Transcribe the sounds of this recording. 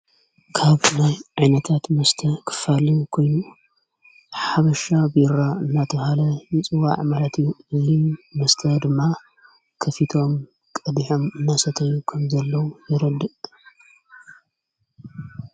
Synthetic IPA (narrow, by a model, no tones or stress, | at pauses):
kʰaβnajʕajnɐt̪ʰat̪mɐst̪ʰɐkʰɨ̥falikʰo̞jnu | ħaβɐʃabɪɾaɨnːat̪ʰɐβhalɐjɪt͡sʼɨwa̰ʕmalɐt̪ʰjuɨzimɐst̪ʰɐd̪ɨmːa | kʰɐfit̪ʰo̞m | kʼɐd̪iħomɨnːasɐt̪ʰɐjukʰɐmzɐlːɐwujɪɾɐd̪ɨ